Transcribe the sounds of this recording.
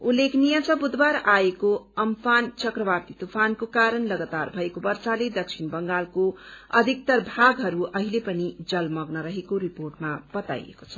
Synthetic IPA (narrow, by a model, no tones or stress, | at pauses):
ulːekʰnijʌt͡sʌbud̪baɾaekoʌmpʰant͡sʌkrʌbart̪it̪upʰankokaɾʌnlʌɡat̪arbʱʌekobʌrsaled̪ʌk̚t͡sʰinbʌŋɡalkoʌd̪ʱik̚t̪ʌrbʱaɡɦʌɾuʌɦilepʌnid͡zʌlmʌɡnʌɾʌɦekoɾiporʈmab̥ʌt̪a̰jḛko̥t͡sʰʌ̥